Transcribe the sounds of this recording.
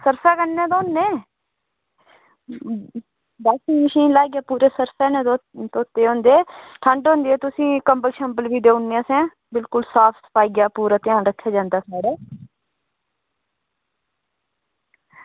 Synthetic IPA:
səɾsaːkənːɛ̃ːt̪õːnːẽː | baːsĩːməʃiːnlaːɡjaːpuːɾeːsəɾsɛːneːt̪oːt̪ːeːɦõːnd̪eɛːʈʰəɳɖɦõːnd̪eɛːt̪ʊsĩːkəmbəlʃəmbəlʋiːɖeːʊnːeãːsɛ̃ː | bɪlkʊlsaːpʰsə̥paːiːɡjaːpuːɾaːt̪ɪãːnɾəkʰːjaːd͡ʒãːnd̪aːsaːɽaː

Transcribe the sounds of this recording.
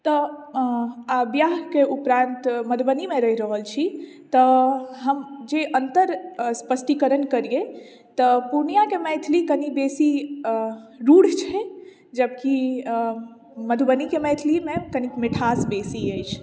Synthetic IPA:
t̪ɔ | abjaɦkeʔupɾãnt̪məd̪ʱbənimeɾəɦiɾəɦəlt͡ʃʰi | t̪əɦəmd͡ʒeʔənt̪əɾspəsʈikəɾənkəɾije | t̪əpuɾnijakemɛt̪ʰlikənibesi | ɾuɽ̤t͡ʃʰɛ | d͡ʒəbki | məd̪ʱubənikemɛjt̪ʰlimekənikmeʈʰasbesiəjt͡ʃʰ

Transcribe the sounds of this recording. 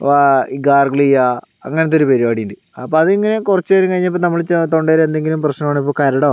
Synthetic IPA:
aiɡaːrɡɐɭijːa | ɐŋːɐnet̪ːoɾupeɾibaːɽijnɖɨ | ɐpːoɐðɨiŋːɐne̞kurɐt͡ɕːeɾɨkɐɻiɲːɐp̬ːonɐmːɐɭt͡ɕt̪o̞ɳɖeɾend̪e̞ŋɡilumprɐɕnɐmaːɳip̬ːoːkɐɾɐɽoː

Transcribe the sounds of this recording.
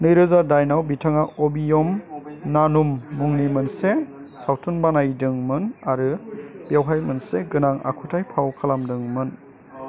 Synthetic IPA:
nɯjɾɯzadajnawbitʰaŋaʔɔbijɔmnanumːuŋnimɯnse | sawtʰunbanajdɯŋmɯnaɾɯb̥jawɦajmɯnseɡɯnaŋa̰kʰutʰajpʰawkʰalamdɯŋmɯn

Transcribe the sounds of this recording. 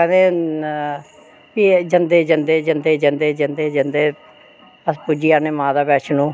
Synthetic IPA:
kɛːnd̪eː | piːd͡ʒənd̪eːd͡ʒənd̪eːd͡ʒənd̪eːd͡ʒənd̪eːd͡ʒənd̪eːd͡ʒənd̪eː | əspud͡ʒiːaːneːmãːd̪aːbɛːʃʰnũː

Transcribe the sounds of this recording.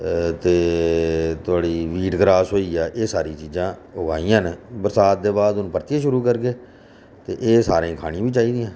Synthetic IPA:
t̪eː | t̪ʊaːɽiːʋiːʈɡɾaːsɦoːiːaːʔeːsaːɾiːt͡ʃiːzãːʊɡaːiːãːnebəɾsaːt̪̚d̪eːbaːd̪ʊnũːpəɾt̪jãːʃʊɾuːkəɾkeː | t̪eːʔeːsaːɾẽːkʰaːɽ̃ĩːbiːt͡ʃaːiːd̪ijãː

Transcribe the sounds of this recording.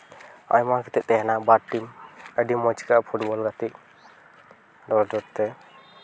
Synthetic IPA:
a̰jmakʰit̪ɛt̪ɛɦɛnabaʈʈiməɖimɔt͡ʃi̥kaʔpʰuʈbɔlɡat̪iʔ | ɖɔɾd͡ʒɔɾt̪ɛ

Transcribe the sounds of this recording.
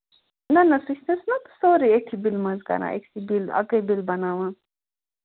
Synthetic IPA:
nɐnɐsut͡ʃʰt̪esnɐt̪u̥soːɾieʈʰibilmɐzkɐ̰na̰ʔḛksibilɐ̰ɡəbilbɐnaːʋãː

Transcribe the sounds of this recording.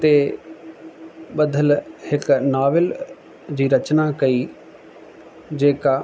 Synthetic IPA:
t̪eː | bəd̪əlhɪknaːʋɪl | d͡ʒiːɾət͡ʃnaːkəiː | d͡ʒeːkaː

